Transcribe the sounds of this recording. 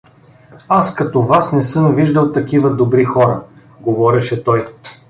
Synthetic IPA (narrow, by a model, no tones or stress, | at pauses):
askɐt̪ɔvasnɛsɤmviʒd̪əlˠt̪ɐkivəd̪obɾixɔɾə | ɡovɔɾɛʃɛt̪ɔj